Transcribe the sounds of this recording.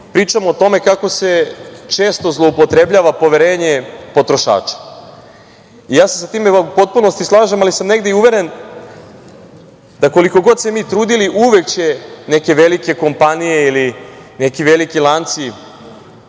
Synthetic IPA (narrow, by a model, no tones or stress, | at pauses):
pɾiːt͡ʃamoːt̪o̞me̞kako̞se̞t͡ʃe̞ːst̪o̞zlˠoupo̞t̪ɾe̞bʎaːʋapo̞ʋeɾe̞ːɲepo̞t̪ɾo̞ʃa̰ːt͡ʃḁ | ijaːsesat̪iːmeupo̞t̪̚puno̞st̪islˠaːʒemalisamne̞ɡd̪eiuʋe̞ɾe̞n | d̪̥ako̞liko̞ɡo̞d̪semiːt̪ɾuːd̪iliʔuʋe̞kt͡ɕeneke̞ʋe̞like̞ko̞mpanijeiline̞kiʋe̞likilˠant̪si